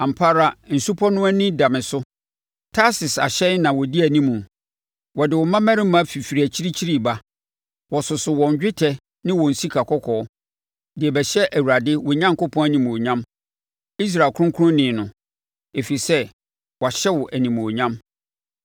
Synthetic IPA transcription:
ã˨m̩pʰa˦ɾa˦n̩˨su˦pʰɔ˦nʊ̃˦æ˦nɪ̃˦da˨mɪ̃˨sʊ˦ | tʰa˦sɪ˨sa̰˨ɕɛ˦n˦nã˨wɔ˨di˦æ˨nĩ˦mũ˨ | wɔ˨dɪ˨wɔ˨mã˦mæ̃˦ɾɪ̃˦mã˨˦fi˨fi˨ɾæ˨t͡ɕʰi˦ɾi˦t͡ɕʰi˦ɾi˦˨ba˦ | wɔ˨sʊ˨sʊ˨wɔ̃˨ɲ˨d͡ʑᶣɪ˦tʰɛ˦ | nɪ̃˦wɔ̃˨n̩˨si˦kʰa˨kʰɔ˦kʰɔː˨˦ | dɪ˨ɛ˨bɛ˨ɕɛ˦ʔæ˨wu˨ɾa˨dɪ˦wɔ˨ɲã˦ŋkʊ˦pʰɔ̃˦æ˦nĩ˨m̃˨ɔ˨ɲã˦m | i˦s̬ɾaː˨kʰʊ̃˦ŋkʰʊ˦ʊ̃˦nɪ̃˨nʊ̃˨ | e˨fi˨i˨sɛ˦ | wɔ˨a˨ɕɛ˦wɔ˨ʔæ˨nĩ˨m̃˨ɔ˨ɲã˦m

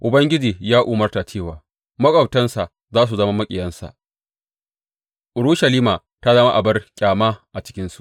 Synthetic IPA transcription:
ʔʊ˨bɐ˦ŋɡʲɪ˦d͡ʒiː˨jaː˦ʔuː˨mɐ˦rta˨t͡ʃeː˦˨waː˨ | mɐ˦kʼɐ˨wtɐ˦nsa˨ʔ | zaː˦s̬u˨zɐ˦ma˦mɐ˦kʲʼɪ˨jɐ˦nsa̰˨ʔ | ʔʊ˨ɽʊ˦ʃɐ˨liː˦maː˨ | ta˦zɐ˦ma˦ʔa˨bɐ˦rkʲʼaː˨ma˦ʔa˨t͡ʃɪ̥˦kʲɪ˦nsu̥˨ʔ

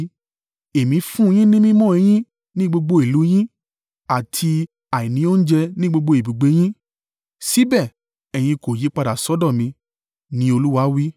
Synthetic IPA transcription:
e˨mĩ˨˧˦fũ˦˧j̃ĩ˦nĩ˦mĩ˦mɔ̃˦˨ɛ˧j̃ĩ˦ | nĩ˦ɡ͡bo˧ɡ͡bo˧˦i˨lu˨˦j̃ĩ˦ | a˨tʰi˧ | a˨ĩ˨nĩ˨˧˦o˦n̩˦d͡ʒɛ˧nĩ˦ɡ͡bo˧ɡ͡bo˧i˨bi˨ɡ͡be˨˦j̃ĩ˦ | si˨˦bɛ˦˨ | ɛ˨j̃ĩ˧ko˨ji˨˦k͡pa˧da˨sɔ˨˦dɔ̃˦˨mĩ˧ | nĩ˦o˧lu˦wa˧˦wi˦

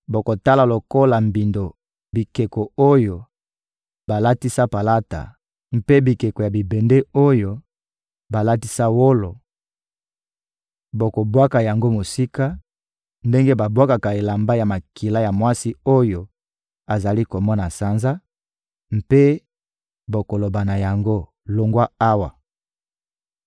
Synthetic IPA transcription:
bo˨ko˨ta˦la˨lo˨ko˦la˨mbi˨ndo˨ | bi˨ke˨ko˨o˦jo˨ | ba˨la˦ti˦sa˦pa˨la˦ta̰˨ | m˨pe˦bi˨ke˨ko˨ja˨bi˨be˨nde˦o˦jo˦ | ba˨la˦ti˦sa˦wo˦lo˨ | bo˨ko˨bwa˦ka˨ja˨ŋɡo˦mo˨si˦ka˦ | nde˦ŋɡe˦ba˨bwa˦ka˨ka˨e˨la˨mba˦ja˨ma˨ki˨la˦ja˨mwa˦si˦o˦jo˨ | a˨za˨li˦ko˨mɔ˦na˨sa˨nza˦ | m˨pe˦ | bo˨ko˨lo˨ba˨na˨ja˨ŋɡo˦ | lo˨ŋɡwa˦a˦wa˨

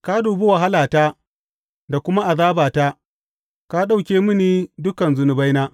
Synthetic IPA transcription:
ka˦duː˨be˦wa˨ɦa˦laː˨taː˦ | da˨kʷʊ˦ma˦ʔa˨zaː˦baː˨taː˦ | ka˦ɗa˦wkʲeː˦mɪ˦niː˦dʊ˦kɐ˨nzʊ˨nʊ˨ba˦jnaː˦

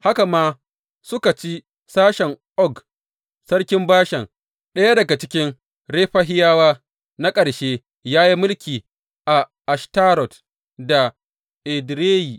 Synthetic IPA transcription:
ha˦ka˨maː˦ | sʊ˦ka˨t͡ʃi˦ | saː˦ʃɛ˨ŋʔɔ˦ɡ | sɐ˦ɽkʲɪ˦mbaː˦ʃɛ˨ŋ | ɗɐ˦ja˦dɐ˨ɡa˨t͡ʃɪ˦kʲɪ˦ŋ | ɽeː˦ɸa˦ɦɪ˦jaː˦waː˦ | na˦kʼɐ˨ɽʃeː˦ | jaː˦ji˦mʊ˦lkʲiː˨ | ʔa˨ʔa˨ʃta˦ɾɔ˨t | da˨ | ʔɪ˨dɾeː˦jiː˨

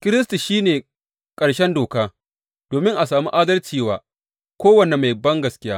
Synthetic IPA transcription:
kʲɪ˦ɾɪ˦s̬ti˨ʃiː˦neː˨ | kʼɐ˨ɽʃɛ˦ndoː˨kaː˦ | d̥oː˨mɪ˦ŋʔa˨saː˨mu˦ʔaː˦dɐ˦lt͡ʃiː˨waː˨ | kʷoː˦wɐ˨ne˨ma˨jbɐ˦ŋɡɐ˨skʲɪ˦jaː˦

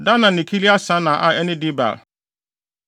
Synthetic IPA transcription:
dã˦nã˨nɪ̃˨kʰi˦li˦a˦sã˦nã˨ʔa˦ɛ˦nɪ̃˦dɪ˦ba̰˨l

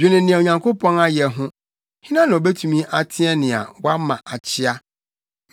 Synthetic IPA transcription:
d͡ʑᶣɪ˨nɪ̃˨nɪ̃˨ɛ˨o˨ɲã˨ŋkʰo˦pʰɔ̃˦na˦jɛ˨ɦʊ̃˦ | hɪ̃˦nã˦nã˨ɔ˨bɛ˦tʰu˨mĩ˦ʔa˨tʰɪ̃˦ɛ˦nɪ̃˨a̰˨wa˦mã˨ʔa˨t͡ɕʰɪ˦a˦

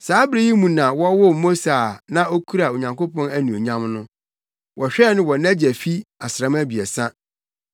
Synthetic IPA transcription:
saː˨˦bɾi˦ji˦mũ˨nã˨wɔ˦wʊ˦mo˦sa˨nã˦o˦kʰu˦ɾa˨o˨ɲã˨ŋko˦pɔ̃˦næ˦nũ˨o˨ɲã˦mnʊ̃˦ | wʔɔ˨ɕᶣɛ˦˨nɪ̃˦wɔ˨næ˦d͡ʑæ˨fi˦a˨sɾã˦mæ˦bi˨ɛ˨sã˦

